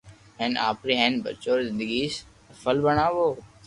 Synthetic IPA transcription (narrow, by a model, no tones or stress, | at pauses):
ɦɛ̃nʔa̰ːpɾiɦɛ̃ːnbə̰t͡ʃoːɾzɪ̃nd̪əɡiːs | əfəlbəɽaːʋoː